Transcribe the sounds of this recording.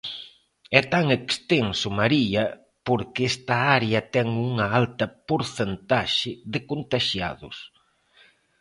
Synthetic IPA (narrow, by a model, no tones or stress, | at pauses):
ɛt̪aŋekst̪eŋsʊmaɾiɐ | poɾkɪɛst̪ɐaɾeɐt̪ɛŋuŋɐalt̪ɐpoɾθent̪aʃɪðɪkont̪aʃja̰ðʊ̰s